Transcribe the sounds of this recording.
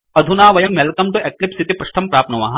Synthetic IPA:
ɐd̪ʱunaːʋɐjɐmːelkɐmʈuʔeklipsit̪ipɾɐʂʈ̪ʰɐmpɾaːpnɐʋa̰ːɦɐ̃

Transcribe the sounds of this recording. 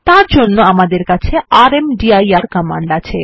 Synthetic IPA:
t̪aɾd͡ʑonːoamad̪eɾkat͡ɕʰeaɾemɖiajaɾkɔma̰ɳɖat͡ɕʰe

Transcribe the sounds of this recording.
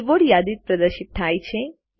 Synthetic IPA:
ʋoɽjad̪it̪̚pɾəd̪əɾʃit̪̚t̪ʰajt͡ʃʰe

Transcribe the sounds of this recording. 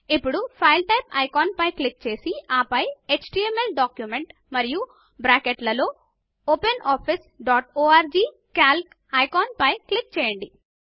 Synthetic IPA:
ipːuɽupʰɐjlʈɐjpɐ̰jkaːnpɐjklik̚t͡ʃe̞ːsiaːpɐjekt͡ʃʈiemelɖaːkjumeɳʈ | mɐɾiju | bɾaːkeʈlɐlo̞ː | openaːpʰis | ɖaːʈoːaːɾd͡ʒiː | kaːlk | ɐjkaːnpɐjklik̚t͡ʃɛːjɐɳɖi

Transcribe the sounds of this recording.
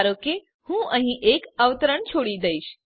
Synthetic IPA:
ɾoke | hũːə̃ɦĩʔekəʋt̪əɾəɳt͡ɕʰoɽiːd̪əjɕ

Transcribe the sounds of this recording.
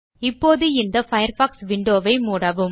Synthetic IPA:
ɪpːoːðɯɪnd̪ɐfɐjɐɾfaːksʋɪɳɖoːʋɐɪmuːɽaːʋɯm

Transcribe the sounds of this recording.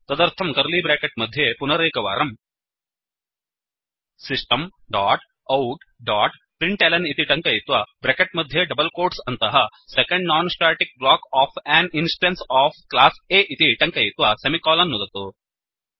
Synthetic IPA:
t̪ɐd̪ɐɾt̪ʰɐmkɐɾliːbɾeːkeʈ̚mɐd̪ʱːjepunɐɾeːkɐʋa̰ːɾɐm | sisʈɐmɖaːʈ | ɐwʈ | ɖaːʈ | pɾiɳʈeːlɐnit̪iʈɐŋkɐjit̪ʋaːbɾeːkeʈ̚mɐd̪ʱjeɖɐbɐlkoːɾʈsɐnt̪ɐɦɐ | sekɐɳɖnaːnsʈaːʈik̚blaːkɔːfʰɛːninsʈɐ̃nsaːfklaːseːʔit̪iʈɐŋkɐjit̪ʋasemikɔːlɐnːud̪ɐt̪oː

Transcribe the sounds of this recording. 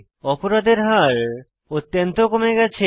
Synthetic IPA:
ɔpoɾad̪eɾɦaɾ | ot̪ːjont̪okomeɡɛt͡ɕʰe

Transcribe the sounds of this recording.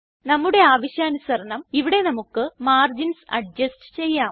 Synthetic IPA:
nɐmːuɽe̞aːʋɐɕjaːnusɐɾɐnɐmiʋiɽe̞nɐmukːɨmaːrd͡ʑinsɐɖ̚d͡ʑɐsʈɨ̥t͡ɕe̞jːaːm

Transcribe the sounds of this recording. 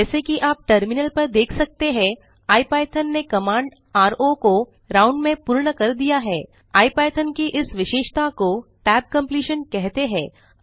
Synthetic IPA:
ɛːsekiʔaːp̚ʈɐɾmɪnəlpɐɾd̪eːkʰsɐk̚t̪eɦɛ̃ | aːipaːɪt̪ʰənːekɐmãːɳɖ | aːɾoko | ɾãːʊ̃ɳɖmẽpuːɾɳəkɐɾd̪ijaɦɛː | aːipaːjt̪ʰənkiʔɪsʋɪʃeːʃt̪akoʈɛːb̚kɐ̃mpliːʃənkɛɦt̪eɦɛ̃ː

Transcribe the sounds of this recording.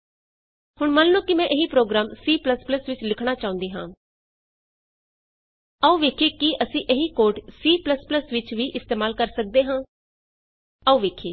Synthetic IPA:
hʊɳmənlõːkɪmɛ̃ːʔeɦiːpɾoːɡɾaːmsiːpləspləsʋɪt͡ʃlɪkʰɽ̃aːt͡ʃaːʊ̃nd̪eːɦã̰ː | əũːʋeːkʰeːkiʔəsĩːʔeɦiːkoːɾʈsiːpləspləsʋɪt͡ʃʋiːʔɪst̪eːmaːlkəɾsək̚d̪eːɦãː | əũːʋeːkʰeː

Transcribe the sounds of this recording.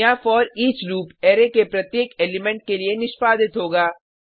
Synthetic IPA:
ãfɔːɾiːt͡ʃɾuːpeːɾekepɾɐt̪jeːkeːlɪmɛ̃ɳʈ̚kelienɪʃpaːd̪ɪt̪ɦoːɡaː

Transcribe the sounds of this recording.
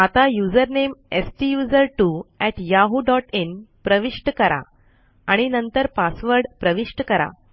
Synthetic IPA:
at̪ajud͡zəɾnemesʈijud͡zəɾʈuɛʈjaɦuɖɔʈenpɾəʋiʂʈəkəɾa̰ | aɽ̃inənt̪əɾpasʋəɾɖpɾəʋiʂʈəkəɾa̰

